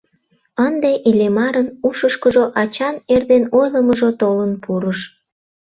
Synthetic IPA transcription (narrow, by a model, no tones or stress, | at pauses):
ənd̪eʔilemɑɾənuʃəʃkəʒoʔɑt͡ɕɑnerd̪enojləməʒot̪olənpʰuɾəʃ